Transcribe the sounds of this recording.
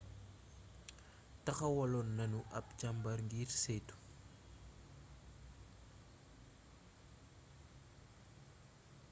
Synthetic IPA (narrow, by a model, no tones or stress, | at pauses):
tɐxɐwɐlɔnːɐnuʔɐp̚t͡ʃɐmbɐrŋɡiːrsetu̥